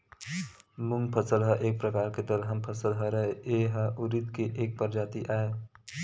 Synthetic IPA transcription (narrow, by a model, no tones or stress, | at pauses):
mʊ̃ŋɡpʰəsəlɦəʔeːk̚pɾəkaːɾked̪əlɦəmpʰəsəlɦəɾəɦeeɦəʔʊɾit̪keʔeːk̚pəɾd͡ʒaːt̪iʔaːe